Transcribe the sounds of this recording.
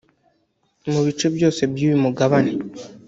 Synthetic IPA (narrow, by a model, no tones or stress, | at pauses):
muβit͡ʃe̞bjo̞ːse̞bjuːβimuɡaβane